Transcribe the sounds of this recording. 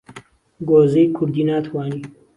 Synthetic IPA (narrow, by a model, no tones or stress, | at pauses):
ɡoːzejkʰʊɾd̪iːnaːt̪ʰwaːni